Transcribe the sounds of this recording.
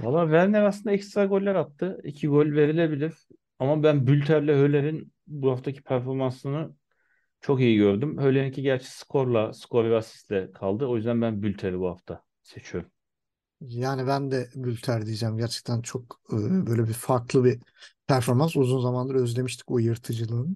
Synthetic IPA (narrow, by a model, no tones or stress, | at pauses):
valˠːaːvæɾnʲæɾasɯnd̪ɛcst̪ɾaɡo̞lʲːæɾat̪ʰːɯicʰiɡo̞lʲve̞ɾilʲe̞bilʲiɾ̥ | amabænbylʲt̪ʰæɾlʲɛhølʲeɾin | buhaft̪ʰacʰi̥pʰæɾfo̞ɾmansɯnɯ | t͡ʃʰo̞kijiɟø̞ɾd̪ymhølʲeɾincʰiɟæɾt͡ʃʰɛ̥skʰo̞ɾlˠaskʰo̞ɾˠaasi̥st̪lʲɛkʰalˠd̪ɯo̞jyzd̪ænbænbylʲt̪ʰeɾibuha̰ft̪ʰa | se̞t͡ʃʰijo̞ɾum | jaːnibænd̪ɛbylʲt̪ʰæɾd̪ijid͡ʒɛːmɟæɾt͡ʃʰɛ̥c̚t̪ʰænt͡ʃʰo̞kːbøjlʲɛbifaɾklˠɯbipʰæɾfo̞ɾmansuzunzamanˠaɾø̞zlʲe̞miʃt̪ʰi̥cbujɯɾt̪ʰɯd͡ʒɯlˠɯn